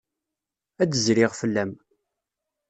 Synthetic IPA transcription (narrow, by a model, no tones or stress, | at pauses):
ædəzɾɪʁfəlːæm